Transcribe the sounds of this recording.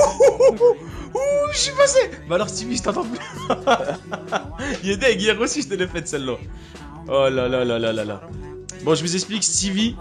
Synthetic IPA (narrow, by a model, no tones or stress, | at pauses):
uʃipasebaalɔʁst̪iviʒət̪ɑ̃t̪ɑ̃pyl | iled̪ɛɡjɛʁosiʒət̪ələfɛt̪sɛlmɑ̃ | ɔlalalalala̰la̰ | bɔ̃ʒəməzɛksplikst̪ivi